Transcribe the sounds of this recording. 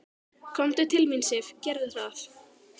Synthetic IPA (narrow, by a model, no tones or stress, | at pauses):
kʰɔmt̪ʏt̪ʰɪlmɪnsɪfcɛɾðʏθaθ